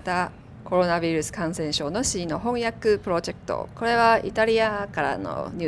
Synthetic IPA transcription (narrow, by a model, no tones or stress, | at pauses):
t̪a | ko̞ɾo̞naβʲiɾɯ̟sɨ̥kãɰ̃sẽ̞ɕo̞ːno̞ɕiːno̞ɦõ̞ɰ̃jakɯ̟pɯ̟ɾo̞ʑe̞kɯ̥t̪o̰ko̞ɾe̞βait̪aɾʲiakaɾa̰no̰ɲ̟